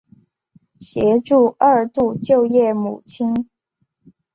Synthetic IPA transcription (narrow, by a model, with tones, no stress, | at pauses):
ɕjɛ˧˥ʈ͡ʂu˥˧ə˥˧˩t̪u˥˧t͡ɕjo˥˧ʊjɛ˥˩mṵ˨˩t͡ɕʰi˥ŋ